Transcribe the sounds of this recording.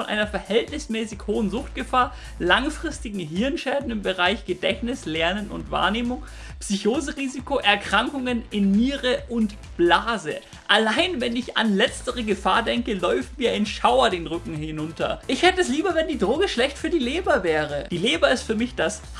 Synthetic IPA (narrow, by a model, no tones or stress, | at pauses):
ɔnʔa̰ɪnɐfɛɐhɛltnɪsmɛːsɪçhoːənzʊxt̚ɡ̥əfaːɐ | laŋfʁ̥ɪstɪɡŋ̩ɦɪɐnʃɛːdn̩ɪmbəʁaɪçɡ̥ədɛçnɪslɛɐnənʊ̰ntva̰ːɐneːmʊŋ | psyçoːzəʁiːzikoʔɛɐkʁ̥aŋkʊŋənɪnmiːʁəʔʊnt | b̥laːzə̰ | ʔalaɪnvɛnɪça̰nlɛt͡stəʁəɡəfaːɐdɛŋkəlɔʏfn̩miːɐɪnʃaʊɐdeːnʁʏkŋ̩hɪnʊntʰɐ̰ʔɪçhɛtəɛsliːbɐvɛndiːdʁoːɡəʃlɛçtfyːɐdiːleːbɐvɛːʁəd̥iːleːbɐɪstfyːɐmɪçd̥as